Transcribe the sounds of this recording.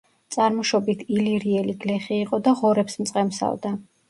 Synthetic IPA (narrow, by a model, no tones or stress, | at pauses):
t̪sʼaɾmɔʃɔbit̪ʰiliɾiɛliɡlɛχiːqʼɔd̪aʁɔɾɛpsmt̪sʼqʼɛmsa̰vd̪a